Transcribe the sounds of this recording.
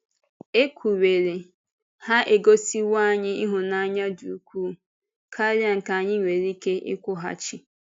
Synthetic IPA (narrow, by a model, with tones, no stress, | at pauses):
e˦kʷʰu˨we˨ɾe˨ | ha˦ʔe˨ɡo˦si˦wa˦˨ɲɪ˦i˦ɦʊ˨na˦ɲa˦du˨kʷu˦˨ | kʰa˦lja˦ŋ̩˨ka˨ɲɪ˦ɲʷe˨ɾi˦ke˦ʔɪ̰˦kʷʊ˦ɦa̰˦t͡ʃɪ˦